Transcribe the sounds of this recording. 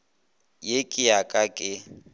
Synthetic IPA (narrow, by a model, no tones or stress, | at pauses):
jekʼɪjakʼakʼɪ